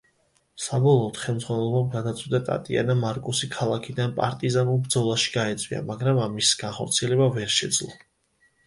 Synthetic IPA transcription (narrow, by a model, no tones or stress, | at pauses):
sabɔlˠɔːt̪χɛlˠmd̪zʁwanɛlˠɔbamɡad̪at̪sʼwid̪at̪ʼa̰t̪ʼia̰namaɾkʼusikʰalˠakʰid̪anpʼa̰ɾt̪ʼizanulˠbɾd̪zɔlˠaʃi̥ɡ̥aɛt̪sʼwḭa̰maɡɾamamisɡ̥anχɔ̰ɾt̪sʰiɛlɛbavɛɾʃɛd̪zlˠɔ